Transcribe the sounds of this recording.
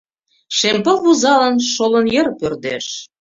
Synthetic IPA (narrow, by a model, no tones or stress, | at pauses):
ʃempɤ̆lβuzɑlɑnʃolɤ̆njə̆rpørd̪ḛʃ